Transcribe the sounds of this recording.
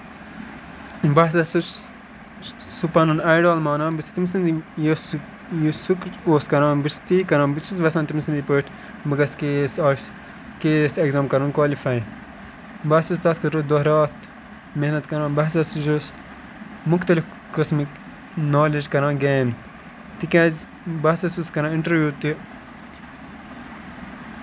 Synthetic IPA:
bɐsɐsu | supɐnunaːjɖaːlmaːnaːnbit͡st̪imsind̪ijos | jusukoːskɐɾãːnbist̪iːkɐɾãːnbit͡ʃʰisʋɐsãːnt̪imisind̪ipəʈ | bɐɡɐskeːsaː | keːsɐɡzaːmkɐɾunkwaːlifɐj | bɐsɐst̪aːt̪kʰɐɾod̪ɐɦɾɑːt̪ | mehnɐt̪kɐɾãːnbɐɦsɐsʒos | mukt̪ɐlif | kɐsmik | naːlid͡ʒkɐɾãːnɡeːn | t̪ikãːz | bɐsɐsuskɐɾãːiɳʈɐɾʋjuːt̪i

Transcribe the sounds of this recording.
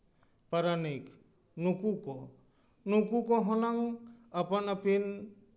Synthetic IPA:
paɾanik | nukukɔ | nukukɔɦɔnaŋapanapʰin

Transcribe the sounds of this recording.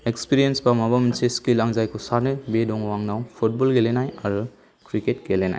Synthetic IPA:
ekspiɾijensbamabaminseskilaŋzajkʰusanɯbedɔŋwaŋnawpʰut̚bɔlɡelenajaɾɯ | kʰɾiketkelena̰jj

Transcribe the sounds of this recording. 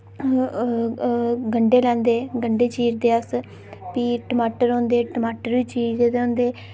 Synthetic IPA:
ɡəɳɖeːlɛ̃ːnd̪eːɡəɳɖeːt͡ʃiːɾd̪eːəs | piːʈəmaːʈəɾõːnd̪eːʈəmaːʈəɾʋiːt͡ʃiːɾd̪eːd̪̃ːnd̪eː

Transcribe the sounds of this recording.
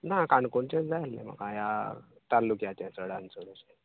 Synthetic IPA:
nakaɳkoɳt͡ɕẽt͡sd͡zajalːḛm̤ə̰kãja | t̪aɾlːukjat͡ɕjãsəɽant͡soɽeɕe

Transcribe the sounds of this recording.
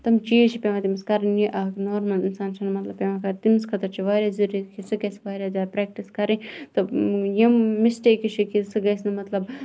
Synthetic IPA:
t̪ɐmt͡ʃiːt͡ʃʰipʲeʋaːt̪imiskɐɾɐniʔɐknoːɾmɐlinsaːnt͡ʃʰɐnɨmɐt̪lɐbpʲeːʋakɐɾt̪imskʰɐt̪ɐɾt͡ʃʰiʋaːɾʲjaːziɾjit̪kʰisɨɡɐsʋaːɾjaːzaːɾpɾɛːk̚ʈiskɐɾĩt̪ɨjimːisʈeːkit͡ʃʰikisɨɡɐsnɨmɐt̪lɐb

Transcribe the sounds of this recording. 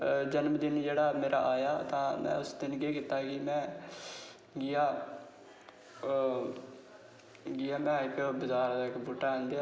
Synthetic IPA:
d͡ʒənmd͡ʒ̪ɪniːd͡ʒeːɽaːmeːɾa̰ːʔaːjaːt̪ãːmɛ̰̃ːʊsd̪ɪnkeːkiːt̪aːkɪmɛ̃ː | ɡɪjaː | ɡɪjaːmɛ̃ːɪkbʊzaːɾd̪aːkbuːʈːaənd̪jaː

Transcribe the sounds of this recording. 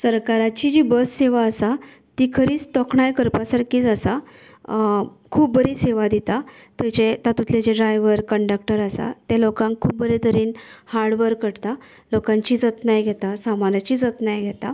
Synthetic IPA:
səɾkaɾat͡ɕid͡ʑibəsːeʋaəsa | t̪ikʰəɾiːt͡st̪ɔkʰɳajkəɾpasəɾkiːt͡səsa | kʰuːp̚bəɾiseʋad̪it̪a | t̪et͡ɕet̪at̪ut̪ʰled͡ʑeɖɾajʋəɾkəɳɖəkʈəɾasa̰t̪elokãŋkkʰːuːp̚bəɾet̪əɾiːnhaɾɽʋəɾkəɽt̪a | lokãɲt͡ɕiːd͡zət̪najɡʱɛt̪asamanat͡ɕiːd͡zət̪najɡʱɛt̪a

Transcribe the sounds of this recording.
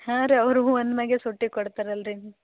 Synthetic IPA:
hãɾeɐʋɾuuɐnd̪mɐɡesoʈːikɔɽt̪aːɾeɐlɾin

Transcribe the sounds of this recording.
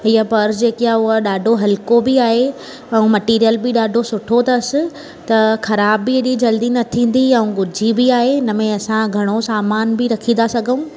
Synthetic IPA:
ɪɦəpɐɾd͡ʑeːkɪaʊɦəɗaːɖʱoɦɐlɪkobɪaːɦe | ɛ̃ũmɐʈiːɾijəlbɪɗaːɖʱosʊʈʰot̪ɐsɪ̆ | t̪ɐxɐɾaːbːieɗid͡ʑɐld̪inɐt̪ʰĩːn̆d̪iɛ̃ũɡʊd͡ʑʱibɪaːɦeɪnəmẽɐsãɡʱɐɽ̃osaːmaːnbɪɾɐkʰĩnd̪asɐɡʱəũː

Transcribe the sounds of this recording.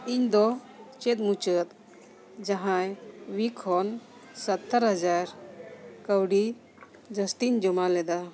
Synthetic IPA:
iɲd̪ɔ | t͡ʃɛt̪̚mut͡ʃət̪̚ | d͡ʒaɦãjwikʰɔnsət̪ːəɾɦəd͡ʒaɾkəwɖi | d͡ʒəst̪iɲd͡ʒɔmalɛd̪a

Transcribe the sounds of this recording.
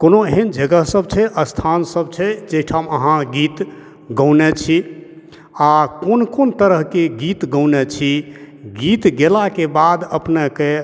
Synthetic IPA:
konoɦind͡ʒəɡəɦsəb̚t͡ʃʰɛʔəst̪ʰansəb̚t͡ʃʰɛd͡ʒeɦʈʰaməɦãɡit̪ | ɡəwnɛt͡ʃʰi | akonkont̪əɾəɦkeɡit̪ɡəwnɛt͡ʃʰi | ɡit̪ɡelakebad̪əpneke

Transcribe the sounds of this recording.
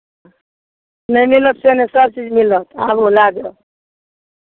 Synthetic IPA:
nəjmilət̪senesəb̚t͡ʃid͡ʒmilət̪abolaɡe

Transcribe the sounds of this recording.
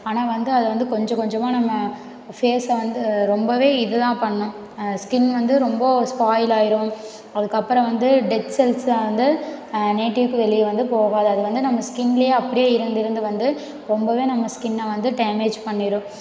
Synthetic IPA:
aːnaːʋɐnd̪ɯɐðɯʋɐnd̪ɯkɔɲd͡ʒɐ̃kɔɲd͡ʒɐmːaːnɐmːɐ | feːsʋɐnd̪ɯɾɔmbɐʋeːɪðɯðãːpɐɳːʊ̃ | skɪnʋɐnd̪ɯɾɔmbɐspaːjlaːjɪɾʊ̃ | ɐðɯkːɐpːɯɾɐ̃ʋɐnd̪ɯɖɛt̪sɛlsaʋɐnd̪ɯneːʈːɪʋkːɯʋɛliʋɐnd̪ɯpoːɣaːðɯɐðɯʋɐnd̪ɯnɐmːɐskɪnɪljeːɐpːɐɽɪjeːɪɾɯnd̪ɪɾɯnd̪ɯʋɐnd̪ɯ | ɾɔmbɐʋeːnɐmːɐskɪnːɐʋɐnd̪ɯɖɐɪmeːd͡ʒpɐɳːɪɾʊ̃

